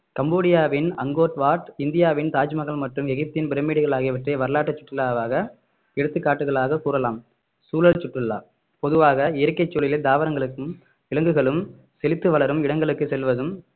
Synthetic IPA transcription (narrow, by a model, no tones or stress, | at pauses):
kɐmboːɽɪjaːʋɪnɐŋɡoːʈʋaːʈɪnd̪ɪjaːʋɪnt̪aːt͡ʃmɐɣɐɭmɐʈrɯmɛɣɪp̚t̪ɪnbɪɾɐmiːɽɪɣɐɭaːɣɪjɐʋɐʈrɐɪʋɐɾɯlaːʈːɐt͡ʃːʊ̥ʈrɯlaːʋaːɣɐ | ɛɽɯt̪ːɯkːaːʈːɯɣɐɭaːɣɐkuːɾɐlaːm | suːlɐɭt͡ʃːʊʈrɯlːa̰ː | pɔðɯʋaːɣɐɪɐɾɯkːɐɪt͡ʃːoːlɪlɐd̪aːʋɐɾɐŋɡɐɭɯkːɯm | ʋɪɭɐŋɡɯɣɐɭɯm | sɛlɪt̪ːɯʋɐɭɐɾɯmɪɽɐŋɡɐɭɯkːɯsɛlʋɐðɯm